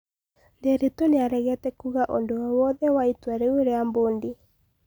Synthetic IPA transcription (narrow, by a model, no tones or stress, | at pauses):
ndeɾetoneaɾɛɣɛtɛkuɣaʔo̰ndoawɔðɛwaitwaɾeoɾeamboːnde